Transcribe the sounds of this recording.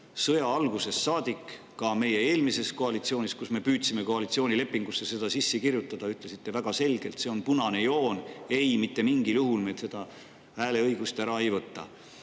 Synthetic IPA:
sɤ̞jɑɑlɡuse̞sːɑːd̪̥ikː | ɑme̞je̞e̞ːlmise̞sko̞ɑlit̪sio̞ːnʲiskusme̞pyːt̪sime̞ko̞ɑlit̪sio̞ːnʲile̞pːˑiŋɡ̥usːese̞d̪̥ɑsisːekirjut̪ːˑɑd̪̥ɑyt̪ˑle̞sit̪ːe̞væɡ̥ɑse̞lɡ̥e̞lt̪se̞o̞npunɑne̞jo̞ːne̞jmit̪ːe̞miŋɡiljuɦulmet̪se̞d̪̥ɑ | hæːle̞ɤjɡ̥ust̪æɾɑe̞jvɤt̪ːɑ̰

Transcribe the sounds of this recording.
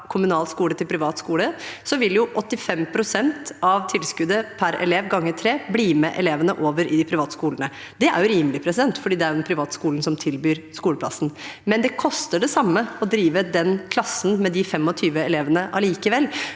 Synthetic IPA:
kʰʊmʉnɑːlskuːlət̪ʰɪlpʰɾɪʋɑːt̪skuːləsɔʋɪljʊʔɔt̪ːɪfɛmpʰɾʊsɛnt̪ɑʋt̪ʰɪlskʉd̪əpʰæɾɛ̰leːʋɡɑŋːət̪ʰɾeːbliːmɛʔɛleːʋənəʔoːʋəɾʔɪd̪ɪpʰɾɪʋɑːt̪skuːlənə | d̪ɛʔæ̰ɾjʉɾiːmlɪpʰɾɛsɪd̪ɛnt̪fɔɖiːd̪ɛæɾɛpʰɾɪʋɑːt̪skuːln̩sɔmt̪ʰɪlbyːɾskuːləpʰlɑ̰sn̩mɛnd̪ɛkʰɔst̪əɖɛsɑmːəɔd̪ɾiːʋəd̪ɛnkʰlɑsn̩mɛd̪ɪfɛmɔt̪ʰyːʋəɛleːʋənəʔɑliːkəʋɛlː

